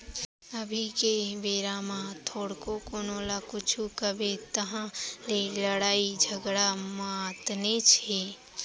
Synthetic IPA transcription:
əbʱikeʋeːɾamãt̪ʰoːɽkokonoːlakʊt͡ʃʰukəbet̪əɦãleləɽaːid͡ʒʱəɡɽamat̪net͡ʃʰe

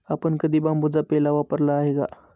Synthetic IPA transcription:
apəɳkəd̪ʱiːbãmbud͡zapɛlaʋapəɾlaːɦeɡa̰

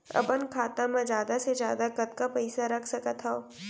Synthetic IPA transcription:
ɐ̰bənkʰaːt̪amãd͡ʒjaːd̪ased͡ʒjaːd̪akɐt̪kapɐɪsaɾɐkʰsɐkət̪ʰɦao

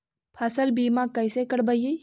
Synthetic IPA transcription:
pʰɐsəlbiːmãkɐisekəɽbəji

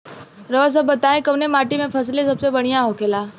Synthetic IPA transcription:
ɾəʋəs̬əbət̪aːẽkəʋnẽmaːʈimẽpʰəs̬lesɐbsebəɽ̃ijãɦokʰeːlaː

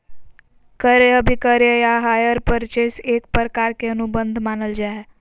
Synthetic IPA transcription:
kəɾeəbʱikəɾjəjaɦajəɾpəɾt͡ʃesekpɾkaɾkeənubənd̪ʱmanəld͡ʒae

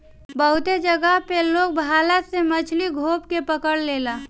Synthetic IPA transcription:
bəɦʊt̪ed͡ʒəɡəɦpeloːɡ̚bʱaːlasemət͡ʃʰliɡʱoːp̚kepəkəɽleːlaː

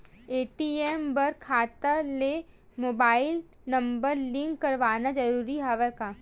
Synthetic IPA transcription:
eːʈiembɐɾkʰaːt̪əle | moːbaːɪl | nɐ̃mbəɾlɪ̃ŋɡːɐɾʋaːnad͡ʒɐɾuːɾiɦɛʋɛkaː

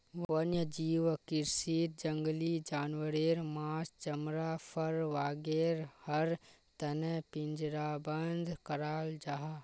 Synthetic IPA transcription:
ʋʋənjəd͡ʒiːʋkɪɾsit̪̚d͡ʒəŋɡlid͡ʒaːnwəɾeːɾmaːst͡ʃəmɾapʰəɾʋaːɡeːɾhəɾ | t̪ɐnepɪ̃nd͡ʒɾabənd̪ʱkəɾaːld͡ʒaɦa

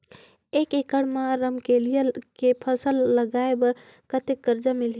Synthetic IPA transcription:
ekekəɽmaɾəmkelijəkepʰəsəlːəɡaebəɾ | kət̪ekːəɾd͡ʒamilɦ

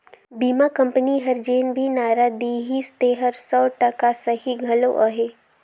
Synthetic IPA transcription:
biːmakɐ̃mpəniɦɐɾd͡ʒeːnbʱinaːɾad̪iɦist̪eːɦəɾsɔːʈəkasəɦiɡʱɐlo̰ʔaɦeː

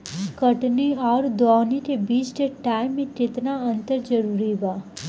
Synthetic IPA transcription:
kəʈniaɾd̪ɔniʈebid͡ʒʈeʈajmːiʈet̪naənt̪əɾd͡ʒəɾuɾiba

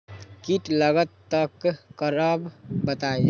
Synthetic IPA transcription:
kiʈləɡət̪ːəkkəɾəbbət̪aj

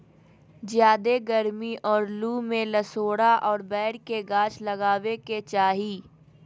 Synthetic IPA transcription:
d͡ʒjaːd̪eɡəɾmiʔɔːɾluːmẽləsoːɽaʔɔːɾbɛːɽkeɡãːt͡ʃlɐɡaːʋeket͡ʃaːɦiː

